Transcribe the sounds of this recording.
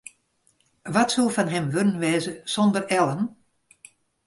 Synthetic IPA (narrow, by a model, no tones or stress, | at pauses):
ʋɔtsulˠfanɦɛmʋønənʋɛːzəsɔndərɛlˠən